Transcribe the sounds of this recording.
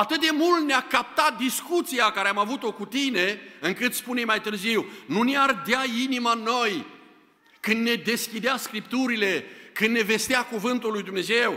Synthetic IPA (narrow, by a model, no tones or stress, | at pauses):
at̪ɨt̪̚d̪e̞mult̪̚neakap̚t̪at̪̚d̪iskut̪sijakaɾeamavut̪o̞kut̪ine̞ɨŋkɨt̪spunejmajt̪ɨrziwnuneard̪ainimanːo̞j | kɨnd̪ne̞d̪e̞skʲid̪easkɾip̚t̪uɾile̞kɨnd̪ne̞ve̞st̪eakuvɨnt̪ulːujd̪umne̞ze̞w